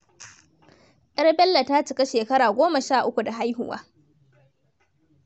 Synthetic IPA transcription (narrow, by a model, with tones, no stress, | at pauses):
ʔɐ˦rbɛ˦lːa˨ta˦t͡ʃɪ˨˦ka˦ʃeː˨kɐ˦ɾaː˨ɡʷoː˦ma˨ʃaː˦˨ʔʊ˦kʷu˨da˨ɦa˦jɦʊ̰˨wa̰ː˦